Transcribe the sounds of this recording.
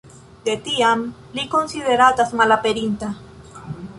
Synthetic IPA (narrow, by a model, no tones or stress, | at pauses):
d̪̥et̪iam | likonsiðeɾat̪asmalapeɾint̪a